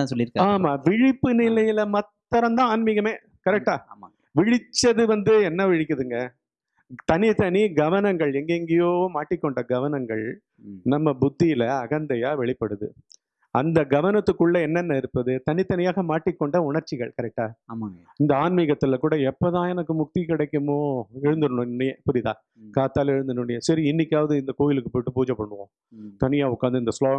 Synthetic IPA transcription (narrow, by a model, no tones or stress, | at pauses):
ãsɔlːɪɾɯkːaːmaːʋɪɻɪpːɯnɪlɐjɪlɐmɐt̪ːɐɾɐnd̪ãːaːnmɪɣɐmeː | kɐɾɛk̚ʈːaː | ʋɪɻɪt͡ʃːɐðɯʋɐnd̪ɯɛnːɐʋɪɻɪkːɐðɯŋɡɐ | t̪ɐnɪt̪ɐniɡɐʋɐnɐŋɡɐɭɛŋɡeŋɡɐjoːmaːʈːɪkːɔɳɖɐɡɐʋɐnɐŋɡɐ̰ɭ | nɐmːɐbʊd̪ːɪjɪlɐɐɣɐnd̪ɐjaːʋɛɭɪpːɐɽɯðɯ̰ | ɐnd̪ɐɡɐʋɐnɐt̪ːɯkːɯɭːɐɛnːɐnːɐɪɾɯpːɐðɯt̪ɐnɪt̪ːɐnɪjaːɣɐmaːʈːɪkːɔɳɖɐʊɳɐɾt͡ʃːɪɣɐɭkɐɾɛk̚ʈaː | ɪnd̪ɐaːnmɪɣɐt̪ːɪlɐkuːɽɐɛpːot̪ãːɛnɐkːɯmʊʈːikɪɽɐɪkːɯmoːɛɻɯnd̪ɯɾɯɳʊ̃ɪnːɐjẽpʊɾɪt̪ã̰ː | kaːt̪ːaːlɛɻɯnd̪ɯnɯɳɖɪjɐsɐɾiɪnːɪkʲːaːʋɐðɯɪnd̪ɐkoːjɪlɯkːɯpoːjɪʈːɯpuːd͡ʒɐpːɐɳːɯʋõː | t̪ɐnɪjaːʊkːaːnd̪ɯɪnd̪ɐsloː